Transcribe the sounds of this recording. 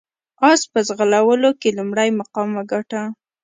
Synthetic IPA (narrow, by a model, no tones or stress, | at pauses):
ɑspəzɣəlawəlokelumɽajmaqɑmaɡaʈa